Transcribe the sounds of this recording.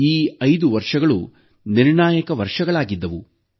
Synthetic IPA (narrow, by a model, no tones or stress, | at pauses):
iːɐjd̪uʋɐɾʂɐɡɐɭṵ | niɾɳaːjɐkɐʋɐɾʂɐɡɐɭaːɡid̪ːɐʋu